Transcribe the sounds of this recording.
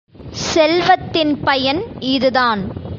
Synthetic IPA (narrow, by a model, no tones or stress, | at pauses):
sɛlʋɐt̪ːɪnpɐjɐnɪðɯðaːn